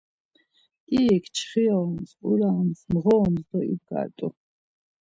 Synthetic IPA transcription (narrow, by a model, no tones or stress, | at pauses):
iɛkʰt͡ʃʰχiɔnspʼuɾamsmʁɔːnzd̪ɔḭb̚ɡa̰ɾt̪ʼu